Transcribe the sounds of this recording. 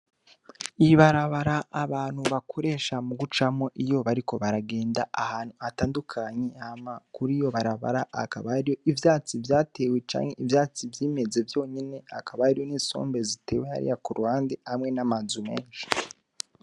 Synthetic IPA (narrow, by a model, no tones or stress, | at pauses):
iβaɾaβaɾaʔaβaːn̥huβakʰoɾe̞ːʃamuɡut͡ʃamo̞ʔijo̞βaɾiko̞βaɾaɡe̞ːndaahaːnhuataːndukʰaɲeamakuɾijo̞βaɾaβa̰ɾaʔakaβaɾijo̞ʔivjaːt͡sivjaːte̞we̞t͡ʃa̰ːŋhe̞ʔivjaːt͡sivjiːme̞ze̞vjo̞ːɲine̞akaβaaɾijo̞niːso̞̰ːmbe̞zite̞ːwe̞ha̰ɾḭjakuɾuhaːndehamŋe̞namazume̞ːnʃi̥